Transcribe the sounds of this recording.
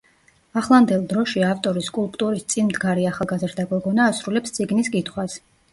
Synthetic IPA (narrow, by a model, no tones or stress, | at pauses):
aχlˠand̪ɛlˠd̪ɾɔʃiaft̪ʼɔɾiskʼulˠpʼt̪ʼuɾist̪sʼinmd̪ɡaɾiaχalˠɡazɾd̪aɡɔɡɔnaːsɾulɛpst̪sʼiɡniskʼit̪ʰχwas